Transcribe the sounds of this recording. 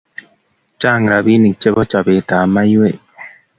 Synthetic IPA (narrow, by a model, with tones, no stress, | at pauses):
t͡ʃa˦˨ŋ˨ɾa˨bi˦ni˨k̚t͡ʃe˦bɔ˦t͡ʃa˨be˨taː˨ma˦je˦˨